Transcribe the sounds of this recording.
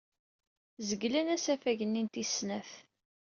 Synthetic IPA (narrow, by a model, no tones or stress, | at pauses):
zəɡlænæsæfæʝənːint̪isnæθ